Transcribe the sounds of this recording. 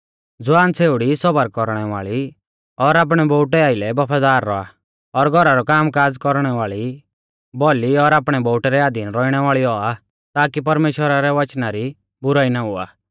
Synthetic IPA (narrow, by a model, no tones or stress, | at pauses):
d͡zʊaːnt͡sʰeːʊɽisɔbəɾkɔɾɽ̃ɛʋaːɭi | ɔɾaːp̬ɽ̃ɛbɔʊʈɛaːɪlɛbɔpʰaːd̪aːɾːɔa̰ | ɔɾɡʱɔɾaɾɔkaːmkaːd͡zkɔɾɽ̃ɛʋaːɭi | bɔliɔɾaːpɽ̃ɛbɔʊʈɛɾɛaːd̪inɾɔiɽ̃ɛʋaːɭiɔa | t̪aːkipɐɾmeːʃwəɾaɾɛʋɐt͡ʃnaɾi | bʊɾaːinaɦʊa̰ː